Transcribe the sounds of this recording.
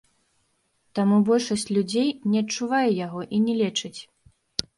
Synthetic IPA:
t̪amubɔlʲʂɐsʲt͡sʲlʲud͡zʲejnʲɛɐtt͡ʂuvajɛjaɣɔʔinʲɛlʲɛt͡ʂɨt͡sʲ

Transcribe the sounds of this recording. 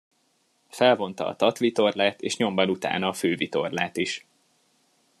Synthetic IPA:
fɛlvo̞n̪t̪ɒ̰ːt̪ɒt̪ʋit̪o̞rlaːt̪ḛːʃɲo̞mbɒnut̪a̰ːnɒːføːvit̪o̞̰rla̰ːt̪iʃ

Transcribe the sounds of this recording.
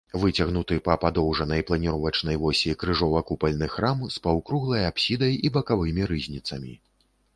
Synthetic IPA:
vɨt͡sʲaɣnut̪ɨpɐpad̪ɔwʐɐnɐjplˠɐnʲiɾɔvɐt͡ʂn̪ɐjvɔsʲikɾɨʐɔvɐkupɐlʲnɨxɾamspɐwkɾuɣlˠɐjapsʲid̪ɐjibɐkavɨmʲiɾɨzʲnʲit̪sɐmʲi

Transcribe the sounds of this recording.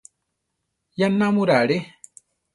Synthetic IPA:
janamuɾaɽe

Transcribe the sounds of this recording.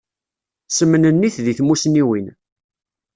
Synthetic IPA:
səmːənənːiθðiθmusniwin

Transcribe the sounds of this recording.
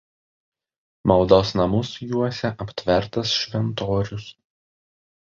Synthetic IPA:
mɐlˠd̪oːsnɐmʊsjuɔsʲɛʔɐpʲt̪ʲʋʲɛɾt̪ɐsʃʲʋʲɛnt̪oːɾʲʊs

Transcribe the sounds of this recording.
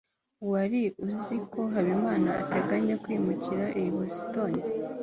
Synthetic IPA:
waɾiuziko̞ɦaβimaːnaa̰taɡaɲakwimuciɾaʔijihosi̥toni

